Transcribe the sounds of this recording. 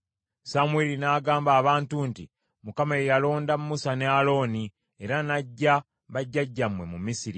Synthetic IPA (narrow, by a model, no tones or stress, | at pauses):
samwelinaːɡaːmbaːβaːntunti | mukamaejalo̞ːndammusanealo̞ːni | e̞ɾanaɟːa | βaɟːaɟːamwe̞mumisiɾi